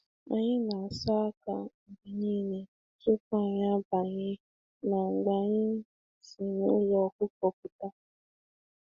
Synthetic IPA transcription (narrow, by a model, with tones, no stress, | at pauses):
a̰˦ɲɪ˦na˨a˨sa˦ka̰˨ŋ͡m̩˨ɡ͡bi˨ɲi˦˨ni˨ | tʊ˦ka˦˨ɲ˦a˦ba˨ɲɪ˦ | na˨ŋ͡m̩˨ɡ͡ba˨ɲɪ˦ | si˨nu˦lɔ˦kʊ˦kɔ˦k̚ʊ˦ta˦